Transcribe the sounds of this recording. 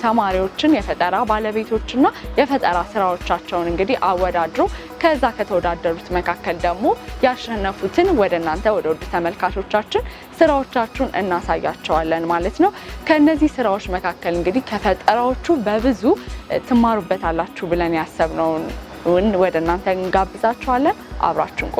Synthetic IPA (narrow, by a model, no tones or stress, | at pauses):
t̪ʰəmaɾiwo̞t͡ʃːɪnjɛfət̪ʼəɾabaləβe̞t̪ʰo̞t͡ʃːɨnːajɛfət̪ʼəɾasɨɾawo̞t͡ʃːat͡ʃːɛwnɨŋɡɨd̪ihʔawɔd̪ad̪ɾo̞ | kʰəɨzːakʰət̪ʰəwɔd̪ad̪ːəɾut̪məkʰakːəld̪əɡmo̞jaʃːɛnːəfut̪ʰɨnwɔd̪ənːant̪ʰəwɔd̪əwɔd̪ːut̪ʰəməlkʰat̪ʰo̞t͡ʃːat͡ʃːɪn | sɨɾawo̞t͡ʃːat͡ʃːɛunɨ̰nːasajːat͡ʃːɛwalːənmalət̪nəwkʰəɨnːəzːihsɨɾawo̞t͡ʃːməkʰakːəlɨŋɡɨd̪ihkʰəfət̪ʼəɾawo̞t͡ʃːubəβɨzut̪ʰɨmːaɾubːət̪ʰalːat͡ʃːubɨlənjasːəβnəw | nwɔd̪ənːant̪ʰəɨŋɡabːɨzʼat͡ʃːɛwalːənʔa̰βɾa̰t͡ʃːɛnkʼ